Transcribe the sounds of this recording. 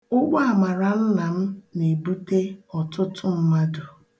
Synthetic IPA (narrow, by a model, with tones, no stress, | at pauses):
ʊ˦ɡ͡bɔ˦a˨ma˨ɾa˨n̩˦na˨m̩˦ne˨bu˦te˦ɔ˨tʊ˦tʰʊ˦m̩˦ma˦dʊ˨